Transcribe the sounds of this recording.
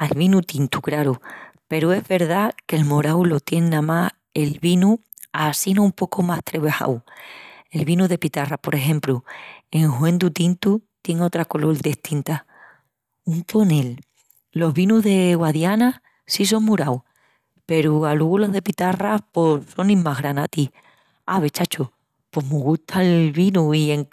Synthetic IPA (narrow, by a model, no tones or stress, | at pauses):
alβinut̪int̪ukɾaɾupe̞ɾue̞zβe̞ɾðake̞lmoɾawlo̞t̪je̞nnama | e̞lβinu | asinoumpo̞komaht̪ɾeβeha̰w | e̞lβinuðe̞pit̪arapo̞ɾe̞ɦẽ̞mplue̞ŋhwẽ̞nd̪ut̪int̪ut̪je̞ŋo̞t̪ɾako̞lo̞ld̪eht̪int̪a | unt̪o̞ne̞l | lo̞ɦβinuɦðe̞ɣwaðjana | sis̬o̞ŋmuɾaw | pe̞ɾualeɣolo̞ɦðe̞pit̪araposo̞nĩmmːaɦɣɾanat̪i | a̰βe̞t͡ʃat͡ʃoh | po̞ɦmuɣut̪ʰaelβinuie̞ŋ